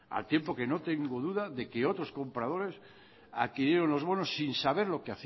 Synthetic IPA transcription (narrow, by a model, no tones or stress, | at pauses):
a̰lt̪je̞mpo̞ke̞no̞t̪e̞ŋɡoðuðaðe̞keo̞t̪ɾo̞sko̞mpɾaðo̞ɾe̞s | a̰ðkiɾjeɾo̞nlo̞zβo̞nosːinsaβ̞e̞ɾlo̞keaθ